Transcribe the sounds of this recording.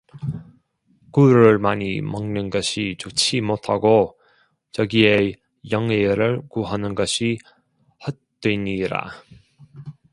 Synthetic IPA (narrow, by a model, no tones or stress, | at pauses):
kuɾɯɭmaɲimʌŋnɯnɡʌɕʰit͡ɕot͡ɕʰimotʰaɡo | t͡ɕʌɡie | jʌŋweɾɯɭkuɦanɯnɡʌɕʰi | hʌt̚t͈weɲiɾa̰